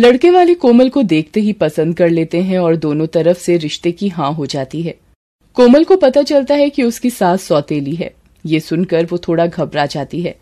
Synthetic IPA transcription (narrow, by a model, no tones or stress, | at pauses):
lɐɽkeʋaːlekoːməlkod̪eːk̚ʰt̪eɦipɐsə̃nd̪̚kɐɾleːt̪eɦɛ̃ɔːɾd̪oːnõt̪ɐɾəfseɾɪʃt̪ekiɦãːɦod͡ʒaːt̪iɦɛː | koːməlkopɐt̪at͡ʃɐlt̪aɦɛkiʊskisaːt̪sɔːt̪eːliɦɛ̰ː | jesʊnkɐɾʋot̪ʰoːɽaɡʱɐbɾad͡ʒaːt̪iɦɛː